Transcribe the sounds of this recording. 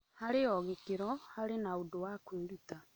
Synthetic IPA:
haɾeɔɣekeɾɔhaɾenaodowakweɾuta

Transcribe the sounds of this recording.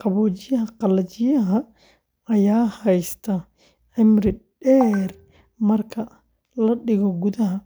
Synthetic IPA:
qɑβɔːt͡ʃɪjɐɦɐqɑlɐt͡ʃɪjɐɦɐ | ɐjaːhɛjst̪ʰɐ | ʕɪmɾɪɖɛːr | mɐrkʰɐ | lɐɗɪɣɔɡuðɐɦɐ

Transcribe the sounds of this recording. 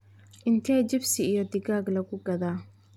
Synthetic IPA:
ʔɪnt̪ʰɛːt͡ʃɪbsɪijɞd̪ɪɣaːɡlɐɣʊɡɐðaː

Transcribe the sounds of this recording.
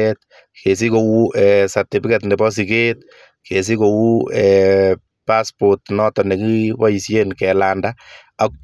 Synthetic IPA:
ɛt̪̚ | kes̬ikowuʔɛːsart̪ifikɛt̪nɛbɔs̬iket̪ | kʰes̬ikowuɛ | paspot̪nɔtɔnekiwaisjenkɛlanda | ak̚

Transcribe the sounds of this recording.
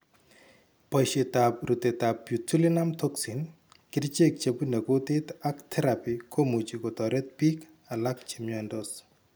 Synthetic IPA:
pɔjʃet̪ap̚ɾut̪et̪apːjutʰulinamtʰoksin | kɪɾt͡ʃek̚t͡ʃepunekotet̪akt̪ʰɛɾapikʰomut͡ʃikot̪ɔɾet̪̚pik | alak̚t͡ʃemjɔndos

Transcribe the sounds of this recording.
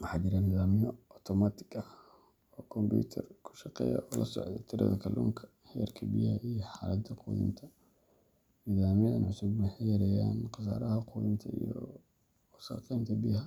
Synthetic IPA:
wɑħɑːt͡ʃɪɾaniːðaːmɪjɔɔt̪ʰɔmat̪ʰɪ̥ɡɐ | ɔːkʰɔmbṵːt̪ʰɐrkʰʊ̥ʃɑqɛ̰ːjɐ̰ʔɔlʔɐsɔ̰ʕd̪ɛ̰t̪ʰɪɾʔɐðɐkʰɐlṵːŋkʰɐ̥ | hɛrkʰɐbɪjhɐʔijɞħaːlɐd̪t̪ʰɐqṵːðɪ̰nt̪ʰɐ | niːðaːmɪjɐðɐnʕʊsʊbmɐħɪjɾɛjaːnqɑsa̰ːɾɐɦɐqʰuːðɪnt̪ʰɐijɔ | wɔsɐ̰qɛːnt̪ʰɐbɪjɦɐ

